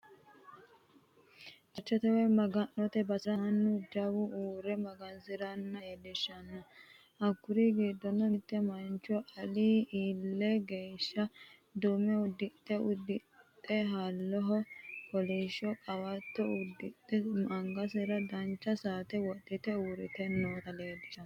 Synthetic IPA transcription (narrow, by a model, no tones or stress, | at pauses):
ʔɐt͡ʃːɔt̪ɛwɛmɐɡɐnːɔt̪ɛbɐsɪɾɐnːʊd͡ʒɐwʊʔuːɾɛmɐɡɐnsɪɾɐnːɐjed̪ɪʃːɐnːɐ | ɐkːʊɾiɡiːd̪ːɔnːɔt̪ʼːɛmɐnt͡ʃːɔʔɐliiːlːɛɡeːʃːɐd̪umɛʊd̪ːɪt̪ʼːɛʊd̪ːɪt̪ʼːɛɦɐlːɔɦɔkɔliːʃɔkʼɐwɐt̪ːɔʊd̪ɪt̪ʼːɛmɐŋɡɐs̬ɪɾɐd̪ɐnt͡ʃːɐsaːt̪ɛwɔdːɪt̪ɛuːɾɪt̪ɛnːoːt̪ɐleːd̪ɪʃɐ